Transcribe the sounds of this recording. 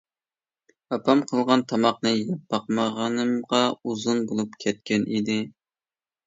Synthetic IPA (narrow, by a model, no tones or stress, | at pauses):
ɑpʰɑmqʰəlˠʁɑnt̪ʰɑmɑqnɨjɑp̚ːɑqmɑʁɑnɨmʁɑuzunbolˠupkʲʰɛt̪̚kʲʰɛnʔid̪ɪ